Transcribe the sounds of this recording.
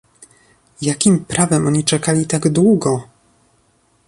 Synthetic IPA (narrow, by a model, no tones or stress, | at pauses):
jakʲimpɾavɛmʔɔɲit͡ʂɛkalʲit̪aɡd̪wuɡɔ